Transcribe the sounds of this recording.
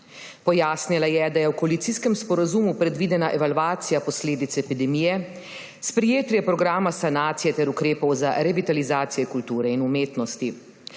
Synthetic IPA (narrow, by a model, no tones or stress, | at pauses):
pɔjaːsnilajɛd̪ajɛwkɔalit̪siskɛmspɔɾazumupɾɛd̪ʋiːd̪ɛnaʔɛʋalʋaːt̪sijapɔsleːd̪it̪sɛɛpid̪ɛmiːjɛ | spɾɛjeːt̪jɛpɾɔɡɾaːmasanaːt̪sijɛt̪ɛɾukɾeːpɔwza̰ɾɛʋit̪alizaːt̪sijɛkult̪uːɾɛinumeːt̪nɔst̪i